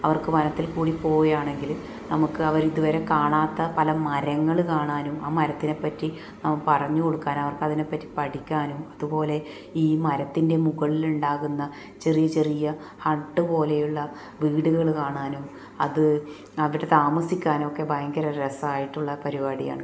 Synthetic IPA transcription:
ɐʋɐrkɨmɐnɐt̪ːilkuːɽipo̞ːjaːɳe̞ŋɡil | nɐmukːɨɐʋɐɾiðuʋɐɾe̞kaːɳaːt̪ːɐpɐlɐmɐɾɐŋːɐɭkaːɳaːnumaːmɐɾɐt̪ːine̞pːɐtːi | nɐmɐpɐrɐɲːuko̞ɽukːaːnɐʋɐrkɐðine̞pːɐtːi̥pɐɽikʲːaːnumɐðupo̞ːle̞ | iːmɐɾɐt̪ːinde̞muɣɐɭiluɳɖaːɣunːɐ | t͡ɕe̞rijɐt͡ɕe̞rijɐ | hɐɳʈːɨpo̞ːle̞juɭːɐ | ʋiːɽuɣɐɭkaːɳaːnum | ɐðɨ | ɐʋiɽe̞t̪aːmɐsikʲːaːno̞kːe̞bʱɐjɐŋɡɐɾɐɾesaːjiʈːuɭːɐpɐɾibaːɽija̰ːɳɨ

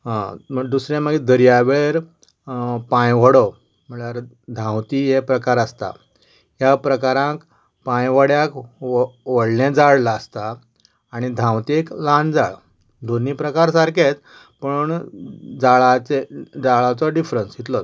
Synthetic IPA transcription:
ɦãməd̪usɾẽməɡed̪əɾjaʋeɾ | pãjʋəɽɔ | m̤əɳaɾ | d̪ʱãwt̪iɦepɾəkaɾəst̪a̰ | ɦjapɾəkaɾãk | pãjʋəɽjak | ʋəɽnẽd͡zaɽlaːst̪aː | ɽ̃id̪ʱãwt̪eklãnd͡zaɭ | d̪oniːpɾəkaɾsaɾket͡s | pəɳd͡zaɭat͡sed͡zaɭat͡sɔɖifɾənsit̪lɔ

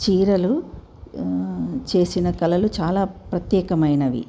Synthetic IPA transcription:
t͡ʃiːɾɐlu | t͡ʃe̞ːsinɐkɐlɐlut͡ʃaːlaːpɾɐt̪jɛːkɐmɐjnɐʋḭ

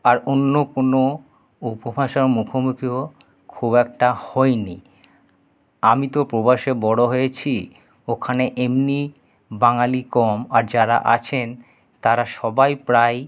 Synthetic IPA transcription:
aɾonːokono | upobʱaʃaɾmukʰomukɾiɦo | kʰubɛk̚ʈahɔeni | amit̪opɾobaʃebɔɽoɦojet͡ɕʰi | okʰaneʔemni | baŋalikɔmaɾd͡ʑaɾa̰ʔa̰t͡ɕʰen | t̪aɾaʃɔbajpɾaj

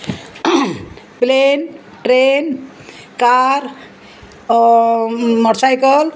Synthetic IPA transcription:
plen | ʈɾen | kaɾ | məɾsajkəl

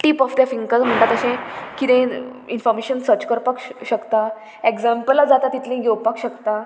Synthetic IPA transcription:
ʈiːpɔfd̪jafĩŋkəɾm̤əɳʈat̪əɕẽkit̪ẽinfɔɾmeɕənsəɾt͡ɕkəɾpakɕəkt̪a | eksampəlːad͡zat̪at̪it̪lẽɡewpakɕəkt̪a

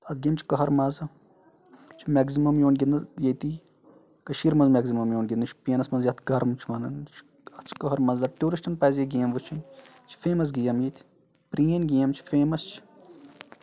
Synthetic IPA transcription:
ɐt̪̚ɡeːmt͡ʃʰi̥kɐɦɐɾmɐzɐ | t͡ʃʰimʲɛɡzimɐmjoːnɡʲinɐjet̪i | kɐʃiːɾmɐnzmʲɛːɡzimɐmjoːnɡʲind̪ɐt͡ʃʰpeːnɐsmɐnzjɐt̪ʰɡɐɾmt͡ʃʰiʋɐnɐnt͡ʃʰ | ɐt̪t͡ʃʰkɐɦɐɾmɐnzɐʈuːɾisʈɐnpɐːzjɐɡeːmʋut͡ʃʰɐn | t͡ʃʰi̥feːmɐs̬ɡijɐmjet̪ʰi̥ | pɾiːɐnʲɡeːmt͡ʃʰi̥feːmɐst͡ʃʰ

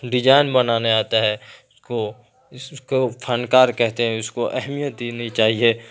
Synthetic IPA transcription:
ɖɪd͡ʒaːɪnbɐnaːneaːt̪aɦɛsko | ɪskopʰənkaːɾkɛɦt̪eɦɛ̃ʊskoʔɛɦmijət̪̚d̪eːnəit͡ʃaːɦieː

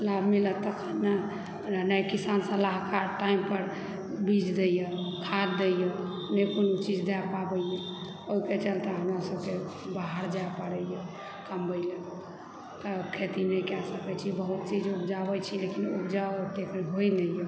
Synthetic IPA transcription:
labʱmilət̪ːɔkʰəna | najkisansəlaɦkaʈaimpəɾ | bid͡ʒd̪ejəkʰad̪d̪ejə | nɛjponut͡ʃid͡ʒd̪ɛpabəjɛ | oiket͡ʃəlt̪eɦəmɾasəbke | baɦəɾd͡ʒajpəɽɛjɛ | kəmbəɪle | t̪ɔkʰet̪inɛjkasəkɛt͡ʃʰibəɦut̪̚t͡ʃid͡ʒubd͡ʒabət͡ʃʰilekinubd͡ʒaɔt̪ekɾiɦojnəjə

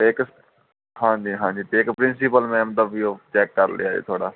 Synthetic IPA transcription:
eɪk | hãːɲd͡ʒiːɦãːɲd͡ʒiːt̪eːɪkpɾɪnsɪpəlmɛ̃ːmət̪əbiːoːt͡ʃɛːkːəɾlḛːaːd͡ʒḛːt̪ʰoaːɽa̰ː

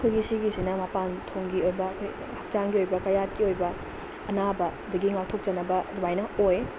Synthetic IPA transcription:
ɐkʰojɡisiɡisinɐmapantʰoŋɡiojbɐːkʰoj | hɐk̚t͡ʃaŋɡiojbɐkɐjat̚kiojbɐ | ɐnabɐːdɐɡiŋawtʰok̚t͡ʃɐnɐbɐdubajnɐoj

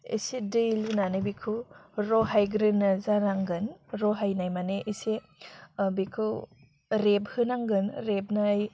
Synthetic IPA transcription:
ḭsedɯjlɯnanɯbikʰɯɾɔɦajɡɾɯnɯzaɾaŋɡɯnɾɔɦajnajmaneʔise | bikʰɯ | ɾeb̚hɯnaŋɡɯnɾeb̚naːj

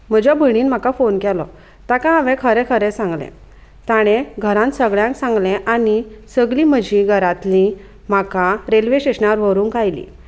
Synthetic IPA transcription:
m̤əd͡ʑabʱəɽ̃iːnm̤akafonkɛlɔ̰ | t̪akãaʋɛ̃kʰəɾɛ̃kʰəɾɛsãŋɡlɛ̰̃ | t̪aɽ̃eɡʱəɾãnsəɡɭjãŋksãŋɡlɛ̃ʔanisəɡlim̤əd͡ʑʱĩɡʱəɾat̪lĩ | m̤akaɾelʋeɕeɕnaɾʋəɾuːnkajlḭ

